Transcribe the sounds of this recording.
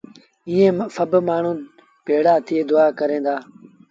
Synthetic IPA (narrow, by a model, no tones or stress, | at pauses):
iːẽːfəbmaːɳ̤ũː | peːɽaːt̪ʰɪeːd̪ʊaːkəɾẽːnd̪aː